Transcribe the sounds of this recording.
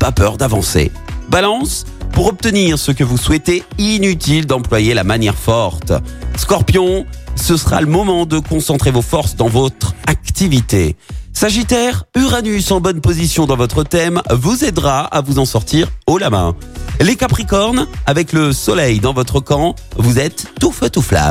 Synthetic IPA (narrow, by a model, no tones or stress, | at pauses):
papœʁd̪avɑ̃sḛ | balɑ̃s | puʁɔp̚t̪əniʁsəkəvuswɛt̪einyt̪ild̪ɑ̃plwajelamanjɛʁfɔʁt̪skɔʁpjɔ̃səsəʁa̰ləmɔmɑ̃d̪əkɔ̃sɑ̃t̪χevofɔʁsd̪ɑ̃vot̪χak̚t̪ivit̪ḛsaʒit̪ɛʁyʁanysɑ̃bɔnpozisjɔ̃d̪ɑ̃vɔt̪χət̪ɛmvuzɛd̪ʁaa̰vuzɑ̃sɔʁt̪iʁolamɛ̰̃ | lekapχikɔʁnavɛkləsɔlɛjd̪ɑ̃vɔt̪χəkɑ̃ | vuzɛt̪ːufɛt̪ufla̰